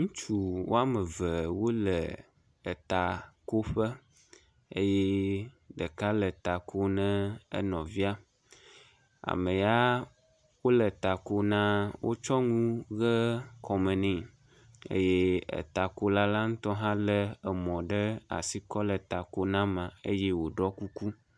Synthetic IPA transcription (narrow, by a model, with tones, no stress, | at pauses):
ŋũ˦t͡ʃu˨wo˦a˦mə˨və˨wo˦lə˨ | ə˨t̪a˨ko˦ɸə˦ | ə˦je˦ | ɖə˨ka˦lə˨t̪a˨ko˦nə̃˦ə̰˦nɔ̃˨vi˦a˦ | a̰˨mə̃˨ja˦ | wo˦lə˨t̪a˨ko˦nã˦wʔo˦t͡ʃɔ˦ŋũ˦ɣə˦kʰɔ˨mə̃˨nĩ˨ | ḛ˦je˦ə̰˨t̪a˨ko˦la˦la˦ŋũ˦t̪ɔ˦ɦã˦lə˦ə˨mɔ̃˨ɖə˦a̰˨si˨kɔ˦lə˨t̪a˨ko˦nã˦mã˨e˦je˦wo˨ɖɔ˦ku˦ku˦